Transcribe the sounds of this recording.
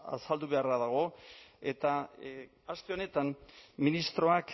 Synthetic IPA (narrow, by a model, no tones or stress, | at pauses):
a̰sald̪uβe̞araðaɣ̞o̞e̞t̪a | ast̪e̞o̞ne̞t̪anminist̪ɾo̞ak